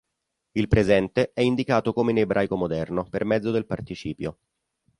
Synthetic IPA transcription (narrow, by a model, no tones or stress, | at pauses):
ilpɾezɛnt̪eʔɛind̪ikaːt̪okomenebɾʔajkomod̪ɛrnopermɛd̪zːod̪elpart̪it͡ʃiːpjo